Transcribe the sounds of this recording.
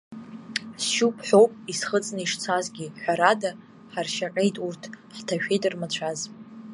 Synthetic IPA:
sʃupʰħʷo̞wpʼisχət͡sʼnɨiʂt͡sʰazɡʲiħʷᶣaɾada | ħarʃaqʲʼejtʼurtʰħtʰaʃᶣejtʼrmat͡ɕʷʰaz

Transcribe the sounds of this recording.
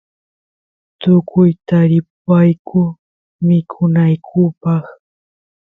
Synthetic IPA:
t̪ʊkʊjt̪aɾɪp̚ajkʰʊ | mɪkʰʊnajkʰʊpɑχ

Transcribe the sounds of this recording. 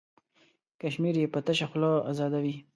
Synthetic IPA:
kaʃmiɾjepət̪əʃaxloa̰zɑd̪awi

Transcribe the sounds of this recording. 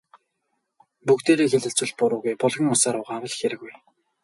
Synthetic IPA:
pukt̪eːɾeːxĕɮɵ̆t͡swɘ̆ɮ̚pʊɾʊːɣujpɔɮʁʲɪ̆ŋʊsaːɾʊːʁaːwə̆ɮxeɾɘ̆ɣuj

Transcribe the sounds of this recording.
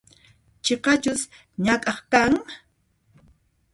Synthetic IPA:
t͡ʃeqɑt͡ʃʊs | ɲakʼɑχkaŋ

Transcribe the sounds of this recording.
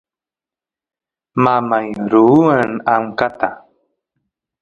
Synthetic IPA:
mamajɾuanaŋkat̪a

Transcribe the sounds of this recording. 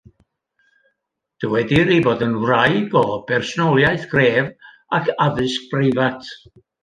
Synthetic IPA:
d̥əwɛdiɾiboːdənwrajɡɔb̥ɛrsɔnɔlˠjaɨθɡ̥reːv | akʰaðɨsk̚b̥rɪvatʰ

